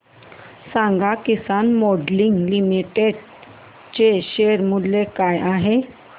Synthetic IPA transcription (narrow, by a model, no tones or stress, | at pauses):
sãŋɡakisanmɔɖliŋɡlimiʈeɽ | t͡ɕeɕeɾmulːekajaɦe